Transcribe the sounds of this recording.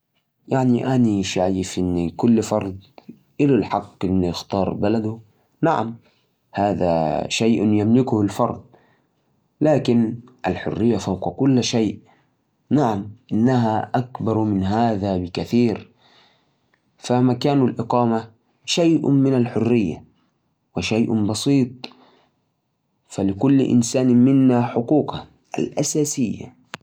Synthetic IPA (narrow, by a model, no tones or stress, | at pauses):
jaʕniʔaniʃaʕjɪfʔɪnːkʊlːfɑɾˤd̪ˤ | ʔɪlalħɑqːʔɪnːjɪxt̪ɑːɾˤbalad̪ʊ | naʕa̰m | haːða̰ʃajʔjamlɪkʊhɪlfɑɾˤd̪̚ˤ | laːkɪnʔalħʊ̰rːɪjːafawqɑkʊlːʃaːʔ | naʕamʔɪnːaɦaʔakbɑɾˤmɪnɦaːðabɪkaθiːɾ | famakaːnalʔɪqɑːma | ʃajʔmɪnalħʊrːɪjːa̰ | wɪʃajʔbɑsˤiːt̪ˤ | falɪkʊl̰ːʔɪ̰nsaːnmɪnːaħʊquːqɑ | ʔa̰lʔasaːsɪjːa̰